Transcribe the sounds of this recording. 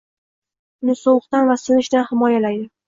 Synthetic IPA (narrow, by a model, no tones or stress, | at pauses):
ʊnɪsoqt̪anvasɪnɪʃd̪anhɪmɒjalajd̪ɪ